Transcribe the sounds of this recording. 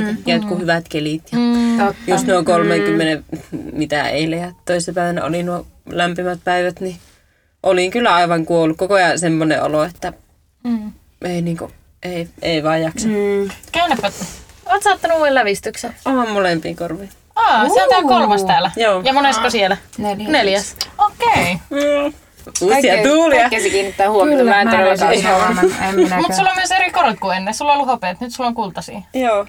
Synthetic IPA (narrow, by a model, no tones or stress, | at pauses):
kæt̪kuhyʋæt̪kelit̪jɑjust̪neoŋkolmeŋkymːenemit̪æ̰ḛˑilehæt̪t̪oˑisenɑpæˑiʋænæ̰o̰linuolæmpimæt̪̚pæiʋæt̪ni | ʔoliŋkylːæɑˑiʋɑŋkuolːukkokojɑsemːoneʔo̰loet̪ːæ | eˑiniːŋkṵ | ʔeˑieˑiʋɑˑijjɑksɑnkæynæfʋæt̪ːoʋɑt̪sɑːt̪ːɑnuuːellæʋist̪yksenoɑmmolempḭːkorʋiː | ɑːssit̪ekorʋɑst̪æːlæjoːjɑmonest̪kosielæneljæsokeiː | uːsiɑt̪uːliɑesikiːnːit̪ːæːhuommæˑenieɾɑsiɑemmut̪sulːomyøseɾikorʋik̪kuenːesulːeolːuhopeːt̪nyt̪sulːoŋkult̪ɑsḭːjoː